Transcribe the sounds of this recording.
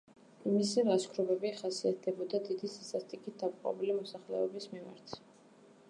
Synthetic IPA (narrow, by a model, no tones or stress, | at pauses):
imisɛɾaskʰɾɔbɛbiχasiat̪̚ʰd̪ɛbɔd̪ad̪id̪isi̥sast̪ʼikʰit̪̚d̪amqʼɔ̰bilimɔsaχlɛ̰ɔbismima̰ɾt̪ʰ